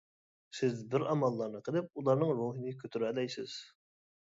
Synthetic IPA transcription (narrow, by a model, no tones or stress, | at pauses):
sɪzbɪɾɑmɑlˠːɑɾnəqʰəlˠɪp̚ulˠɑɾnɨŋɾuɦinɨkʲʰøt̪ʰyɾɛlɛjsɪ̰z̥